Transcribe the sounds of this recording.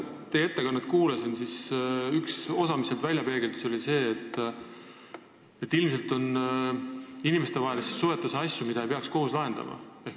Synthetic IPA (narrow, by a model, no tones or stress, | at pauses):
t̪eje̞t̪ːe̞kɑnːɑt̪kuːlesinsisykso̞sɑmise̞lt̪vælʲjɑpe̞ɡeld̪̥uso̞lise̞ːt̪ˑː | et̪ːilms̬e̞lt̪o̞n | inimest̪e̞vɑɦelesesue̞t̪ːˑusɑsʲjumid̪̥ɑejpeɑksko̞ɦuslɑɦe̞nd̪̥ɑ̰mɑ̰e̞h